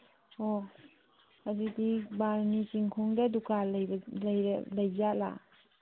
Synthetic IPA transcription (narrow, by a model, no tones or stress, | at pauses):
o | ad͡ʒidibaɾnit͡ʃiŋkʰɔŋdadukaljblajlɐjzala̰